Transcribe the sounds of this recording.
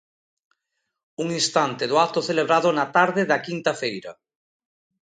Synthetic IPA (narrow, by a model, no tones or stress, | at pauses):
uŋĩnst̪ant̪ɪðʊat̪ʊθeleβɾaðʊnat̪aɾðɪðɐkint̪ɐfejɾɐ̰